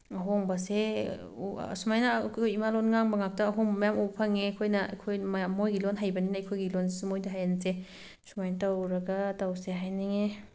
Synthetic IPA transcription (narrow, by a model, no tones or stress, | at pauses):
ɐɦoŋbɐsḛ | sumajnɐkʰjimalonŋaŋbɐŋak̚tɐːɦoŋbɐmɐjamupʰaŋeɐkʰojnɐɐ̰kʰojmmojɡilonɦajbɐninajkʰojɡilonsumojdaɦajanse | sumajnɐtawɾɐɡɐtawseɦajneŋe